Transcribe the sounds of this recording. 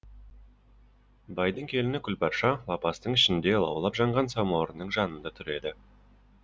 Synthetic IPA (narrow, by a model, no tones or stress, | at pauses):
bɑjd̪əɴkʲʰe̞lɪnɪkʲʰʏlpʰɑɾʃɑlɑpɑst̪əɴɪʃɪnd̪e̞lˠɑ̰wlˠɑpʒɑɴʁɑnsɑmoɾənːəɴʒɑnənd̪ɑt̪ʰʏɾe̞d̪ɪ